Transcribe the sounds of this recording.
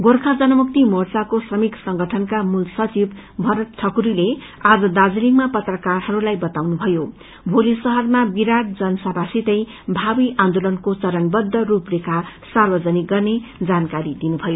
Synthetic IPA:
ɡorkʰad͡zʌnʌmuk̚t̪imort͡sakosrʌmiksʌŋɡʌʈʰʌnkamulsʌt͡sib | bʱʌɾʌt̪ʈʰʌkuɾile | ad͡zʌd̪ad͡ziliŋmapʌt̪rʌkarhʌɾulajbʌt̪awnubʱʌjo | bʱolisʌɦʌrmabiɾaʈ̚d͡zʌnsabʱasit̪ʌj | bʱabiʔãnd̪olʌnkot͡sʌɾʌnbʌd̪ʱːʌruprekasarbʌd͡zʌniɡʌrned͡zankaɾid̪inubʱʌjo

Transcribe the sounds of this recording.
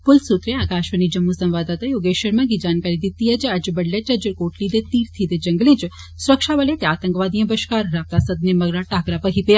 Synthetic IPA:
pʊlsut̪ɾeaːkaʃʋənid͡ʒəmːusəmʋad̪at̪ajoːɡeʃəɾmãɡid͡ʒankaɾid̪it̪ːiəd͡ʒead͡ʒəbəɽled͡ʒəd͡ʒəɾkoʈlid̪et̪iɾt̪ʰid̪ed͡ʒəŋɡlĩt͡ʃ | sʊɾəkʃaʋəlet̪eat̪əŋkʋad̪ijə̃bəʃkaɾːap̚t̪asəd̪neməɡɾaʈakɾapəɦipe

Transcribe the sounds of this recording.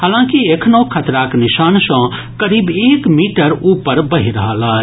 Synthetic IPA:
haːlãːkiekʰnõkʰət̪ɾaknɪʃaːnsə̃ | kəɾiːbeːkmiːʈəɾupəɾbəɦiɾəɦalaː

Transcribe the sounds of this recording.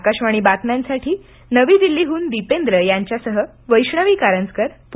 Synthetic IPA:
kaɕʋaɽ̃iːbat̪mjãnsaʈʰiː | nəʋiːd̪ilːiːɦuːnd̪ipend̪ɾəjaɲt͡ɕjasəɦə | ʋəjɕɳəʋiːkaɾənskəɾp

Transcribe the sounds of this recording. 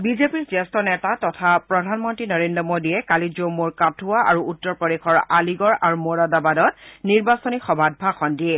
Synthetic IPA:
bizepiɹzɛstɔnɛtatɔtʰapɹɔdʱanmɔntɹinɔɹendɔmodiɛkalizomuɹkatʰuaaɹuutːɔɹpɔdexʰɔɹaliɡɔɹaɹumoɹadabadɔt̚niɹbasɔnixɔbʱad̚bʱaxɔndiɛ

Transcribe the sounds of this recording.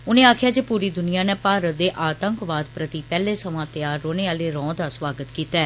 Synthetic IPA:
ʊnẽːaːkʰjaːd͡ʒeːpuːɾiːd̪ʊnijaːneːpaːɾət̪̚d̪eːʔaːt̪əŋkʋaːd̪pɾət̪iːpɛːleːsəʋãːt̪jaːɾːoːneːaːleːɾɔ̃ːd̪aːsʋaːɡət̪kiːt̪aɛː

